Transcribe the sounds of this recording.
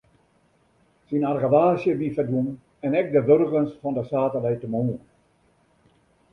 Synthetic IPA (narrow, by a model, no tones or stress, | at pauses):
sinarɣəʋaːsjəʋifədun | ɛnɛk̚dəʋørɣənsfɔndəsaːtəlɛjtəmoːn